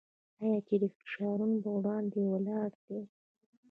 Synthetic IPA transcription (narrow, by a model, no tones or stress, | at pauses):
ajɑt͡ʃed̪əfɪ̥ʃɑɾunopəwɽɑnd̪ewəlɑɽd̪̥e